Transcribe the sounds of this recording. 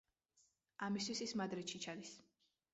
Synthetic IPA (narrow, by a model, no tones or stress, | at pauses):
amist̪ʰwisismad̪ɾit̪ʃit͡ʃʰad̪is